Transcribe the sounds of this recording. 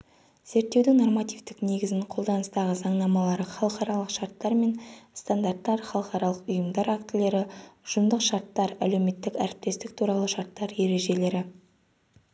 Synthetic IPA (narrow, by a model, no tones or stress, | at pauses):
z̥e̞ɾt̪ːe̞wd̪ɪŋno̞rmat̪ivt̪ɪkne̞ɡʲɪzɪɴqʰo̞lˠd̪ɑnəst̪ɑʁəzɑɴnɑmɑlˠɑɾəχɑlˠəqɑɾɑlˠəqʃɑɾt̪ːɑɾme̞nst̪and̪aɾt̪ːɑɾχɑlˠəqɑɾɑlˠəqʊjəmd̪ɑɾakt̪ɪle̞ɾɪʊʒ̥ʊmd̪əqʃɑɾt̪ːɑɾæle̞wme̞t̪ːɪkæɾɪp̚t̪e̞st̪ɪk̚t̪ʰuɾɑlˠəʃɑɾt̪ːɑɾje̞ɾe̞ʒe̞le̞ɾɪ